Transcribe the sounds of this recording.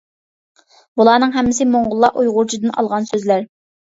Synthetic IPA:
bulˠɑːn̪ɨŋɦɛmːɪsɪmoɴʁʊlˠːɑʔujʁʊɾt͡ʃʰid̪ɨnɑ̰lˠʁɑnsøzlæɾ

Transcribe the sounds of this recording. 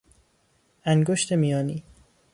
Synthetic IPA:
æŋɡoʃt̪ʰemijɒːniː

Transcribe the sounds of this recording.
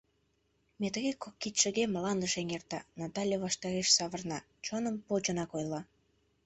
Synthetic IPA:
met̪əɣekokːit̪ʃəɣeməlɑnd̪əʃeŋert̪ɑ̰nɑt̪ɑlʲjeβɑʃt̪ɑɾeʃsɑβərnɑ | t͡ɕonəmpot͡ɕənɑkojlɑ

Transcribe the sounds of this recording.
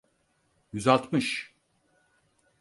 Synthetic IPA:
jyzalˠt̪mɯʃ

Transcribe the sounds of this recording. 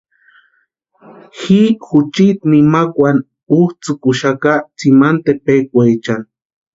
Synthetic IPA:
xixʊt͡ʃit̪nimakʷwan | uht͡sʊkʊʃakat͡simant̪epekʷajt͡ʃaŋ

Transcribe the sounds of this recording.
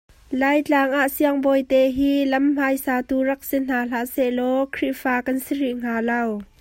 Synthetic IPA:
laːjt͡ɬaːŋʔaʔsiəŋbɔjt̪ɛɦiːlɐmm̥ajsaːt̪urɐk̚sin̥aːl̥aʔsɛʔlɔkʰriʔfaːkɐnsiɾiʔŋ̥aːlɐw

